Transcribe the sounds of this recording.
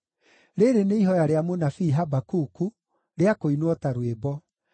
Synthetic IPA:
ɾeɾeneiɦɔjaɾeamonafiːɦabakuku | ɾeakoinwɔtaɾwebɔ

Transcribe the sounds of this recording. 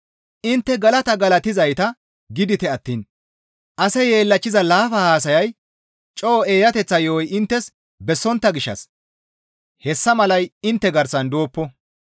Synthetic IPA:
ʔɪnt̪ːɛɡɐlɐt̪ɐɡɐlɐt̪ɪzɐjt̪ɐ | ɡɪd̪ɪt̪ɛɐt̪ːiːn | ʔɐsɛje̞ːlːɐt͡ʃːɪzɐlaːfɐhaːs̬ɐjɐj | t͡ʃʼoːeːjɐt̪ɛt͡sːɐjoːjɪnt̪ːɛs | bɛsːɔnt̪ːɐɡɪʃːɐ̰s | hɛsːɐmɐlɐjɪnt̪ːɛɡɐɾsɐnd̪oːpːɔ

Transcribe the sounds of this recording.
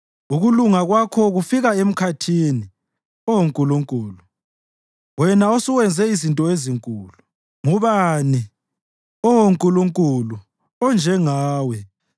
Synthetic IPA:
uɣuluŋaɣwakʰɔɣufiɣaem̩kʰatʰini | ɔwoŋkʼuluŋkʼuːlu | wɛnaosiwɛnd͡zʱɛizintʼɔeziŋkʼuːlu | ŋuβani | ɔwoŋkʼuluŋkʼulu | ɔnd͡ʒʱɛŋaːwɛ

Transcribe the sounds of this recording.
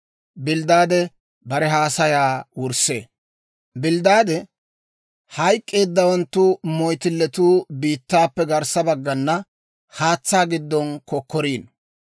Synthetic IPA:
bɪld̪aːd̪ɛ | bɐɾɛɦaːsɐjaːwʊɾsḛː | bɪld̪aːd̪ɛ | hɐjkʼːe̞ːd̪ːɐwɐnt̪ːʊmɔjt̪ɪlːɛt̪uːbiːt̪ːaːpːɛɡɐɾsɐbɐɡːɐnːɐ | haːt͡sːaːɡɪd̪ːɔnkɔkːɔɾiːn

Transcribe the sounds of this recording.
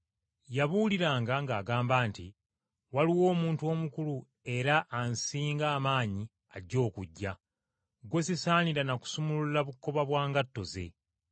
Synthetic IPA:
jaβuliɾaːŋɡaŋɡaːɡaːmbaːnti | waliwo̞ːmuːntuo̞ːmukulu | e̞ɾaʔːnsiːŋɡaːmaːɲi | aɟːo̞ːkuɟːa | ɡwe̞sisaːniɾanaku̥sumululaβukːo̞βaβwaːŋɡatːo̞ze̞̰

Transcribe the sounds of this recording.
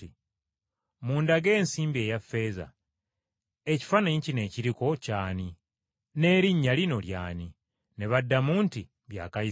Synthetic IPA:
i | muːndaɡe̞ːnsiːmbie̞ːjafːe̞ːza̰ | eci̥faneɲcine̞ːciɾiko̞caːni | ne̞ːɾiɲːalino̞lja̰ːni | neβadːamuːnti | βja̰ːkai

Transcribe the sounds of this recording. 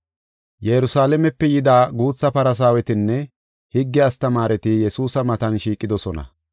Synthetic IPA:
jɛɾʊsaːlɛmɛpːɛjɪd̪aːɡuːt͡sːɐpɐɾɐs̬aːwɛt̪ɪnːɛ | hɪɡːɪɐst̪ɐmaːɾɛt̪ɪjɛsuːsɐmɐt̪ɐnʃiːkʼːɪd̪ɔsɔnɐ̰

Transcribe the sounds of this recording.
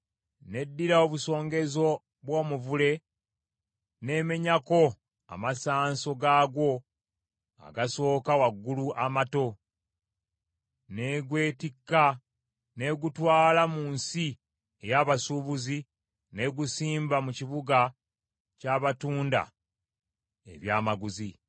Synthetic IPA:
ne̞dːiɾaoβuso̞ːŋɡe̞zo̞ | βwo̞ːmuvule̞ | ne̞me̞ɲako̞ | a̰masaːnso̞ɡaːɡwo̞ | a̰ɡaso̞ːkawaɡːuluʔamato̞ | ne̞ɡwe̞ːtikːa | ne̞ɡutwaːlamuːnsi | e̞jaβasuβuzi | ne̞ɡusiːmbamuciβuɡa | caːβatuːnda̰ | e̞̰βjaːmaɡuzi

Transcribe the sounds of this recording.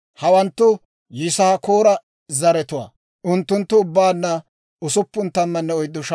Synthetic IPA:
hɐwɐnt̪ːʊ | jɪsɐhkoːɾɐ | zɐɾɛt̪ʊwa̰ː | ʔʊnt̪ːʊnt̪ːʊʊbːaːnːɐ | ʊsʊpːʊnt̪ːɐmːɐnːɛɔjd̪ːʊʃ

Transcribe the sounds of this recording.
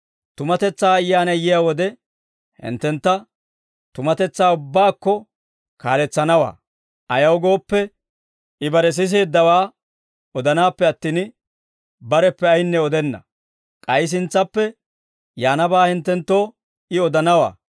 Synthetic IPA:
t̪ʊmɐt̪ɛt͡sːaːɐjːaːnɐjɪjaːwɔd̪ɛ | hɪ̰nt̪ːɛnt̪ːɐ | t̪ʊmɐt̪ɛt͡sːaːʊbːaːkːɔ | ka̰ːlɛt͡sːɐnɐwa̰ː | ɐjɐwɡo̞ːpːɛ | ɪbɐɾɛs̬ɪs̬eːd̪ːɐwaː | ɔd̪ɐnaːpːɛɐt̪ːiːn | bɐɾɛpːɛɐjnːɛɔd̪ɛnːɐ̰ | kʼɐjs̬ɪnt͡sːɐpːɛ | jaːnɐbaːhɪnt̪ːɛnt̪ːo̞ː | ɪɔd̪ɐnɐwa̰ː

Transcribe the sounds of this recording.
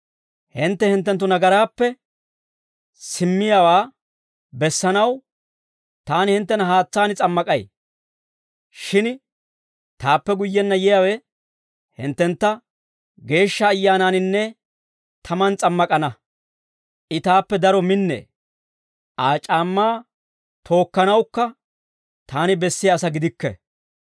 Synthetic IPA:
hɪnt̪ːɛhɪnt̪ːɛnt̪ːʊnɐɡɐɾaːpːɛ | sɪmːɪjawaː | bɛsːɐnɐw | t̪aːnɪhɪnt̪ːɛnɐɦaːt͡sːaːnɪt͡sʼɐmːɐkʼɐj | ʃɪn | t̪aːpːɛɡʊjːɛnːɐjɛjawɛ | hɪnt̪ːɛnt̪ːɐ | ɡe̞ːʃːɐːjːaːnanɪnːɛ | t̪ʰɐmɐnt͡sʼɐmːɐkʼɐnɐ | ʔɪt̪aːpːɛd̪ɐɾɔmɪnːḛː | ʔaːt͡ʃʼaːmːaː | t̪ʰo̞ːkːɐnɐwkːɐ | t̪aːnɪbɛsːɪjaːsɐɡɪd̪ɪkːɛ̰

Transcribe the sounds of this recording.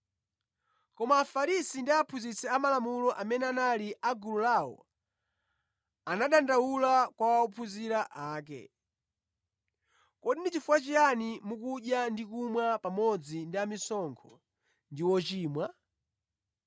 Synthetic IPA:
kɔmaːfaɾisindiaːpʰuzit͡sɛamalamulɔʔamɛnɛanaliʔaɡululawɔ̰ | anaɗandawulakwawaupʰuziɾaʔaːk̬ɛ̰ | kɔɗinit͡ʃifuwat͡ʃianimukuɗjandikumwapamɔd͡zindiamisɔŋkʰɔ | ndiwɔt͡ʃiːmwa

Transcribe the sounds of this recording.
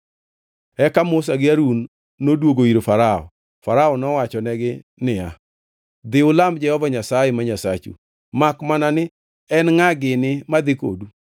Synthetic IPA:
ɛkamʊs̬aɡɪaɾunː | odwoɡoiɾofaɾaɔ̰ | faɾaɔnɔwat͡ʃɔnɛɡɪnɪa | d̪ɪʊlamd͡ʒɛhɔvaɲasajɛmaɲasat͡ʃṵ | makmananɪ | ɛnŋaɡɪnɪmad̪ɪko̰du

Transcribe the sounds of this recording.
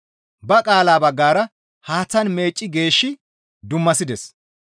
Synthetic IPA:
bɐkʼaːlaːbɐɡːaːɾɐ | haːt͡sːɐnme̞ːt͡ʃʼːɪɡe̞ːʃːɪ | d̪ʊmːɐsɪd̪ɛs

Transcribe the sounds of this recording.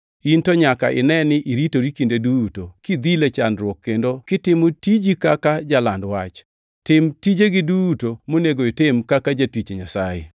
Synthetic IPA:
intoɲaka̰ʔɪ̰nɛnɪʔiɾitoɾikindedutokid̪ilet͡ʃanɾwɔkːendokɪtɪmotid͡ʒikakad͡ʒalandwat͡ʃ | tɪmtid͡ʒeɡɪdutomoneɡoɪtɪmkakad͡ʒatit͡ʃeɲasajɛ̰

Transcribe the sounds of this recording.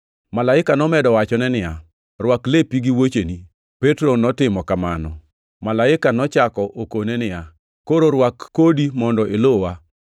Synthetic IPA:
malaɪkanɔmɛdɔwat͡ʃɔnɛnɪja | rwaklepiɡiwot͡ʃeni | petɾonɔtɪmɔkamanɔ | malaɪkanɔt͡ʃakɔʔokonɛnɪja | koɾoɾwakːodimɔndɔʔelowa

